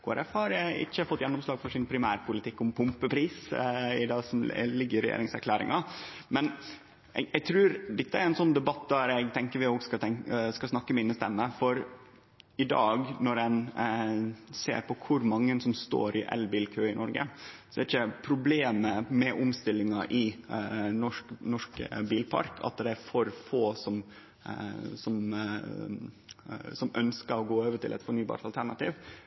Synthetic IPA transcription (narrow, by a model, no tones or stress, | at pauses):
kʰoːæ̰ɾɛfhɑɾæɪ̰çːəfɔt̪ːjɛnːɔmslɑːɡfɔʂɪnpʰɾɪmæːɾpʊlɪt̪ʰɪkːʊmpʰʊmpəpʰɾiːsɪd̪ɑːsɔmlɪɡːəɾɛjḛːɾɪŋsæɾkʰlæːɾɪ̰ŋɑmɛn | ɛɛɡ̚t̪ʰɾʉːɾd̪ɛt̪ːəæɾɛnsɔnːd̪ɛbɑt̪̚d̪æɾɛɪɡt̪ʰɛŋkəɾʋɪoːɡskɑt̪ɛŋskɑsnɑkːəmɛɪnːəst̪ɛ̰mːəfɔɾ | ɪd̪ɑ̰ːɡnɔɾɛn | sḛːɾpɔkʰʊɾmɑŋːənsɔmst̪o̰ːɾɪʔɛ̰lbiːlkʰøːɪnʔɔɾɡə̰sɔɛɾɪçəpʰɾʊbleːməmɛʔʊmst̪ɪlːɪŋɑʔɪ | nɔʂknɔʂkbiːlpʰɑ̰ɾkʰɑ̰t̪̚d̪ɛæɾfɔɾfoːsɔm | sɔm | sɔmœnskəɾɔɡoːoːʋəʈɪ̰lʔɛ̰t̪fɔɳyːbɑ̰ːɾʈ̪t̪ɑlt̪ʰæɳɑt̪ḭːʋ